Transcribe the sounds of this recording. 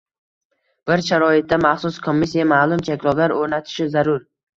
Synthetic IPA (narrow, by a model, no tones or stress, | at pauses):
b̥ɪɾʃaɾɒɪt̪̚ːamaχsʊskʰomːɪsijamaːlˠʊmt͡ʃʰakʲlˠɒblaɾoɾnat̪ʰɪ̥ʃɪzaɾʊɾ